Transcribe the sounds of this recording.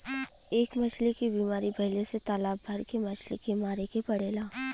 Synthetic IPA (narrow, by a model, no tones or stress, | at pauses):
eːkmɐt͡ʃʰlekibiːmaːɾibʱɐɪleset̪aːlaːbːʱɐɾkemɐt͡ʃʰlḛkemaːɾekepɐɽeːlaː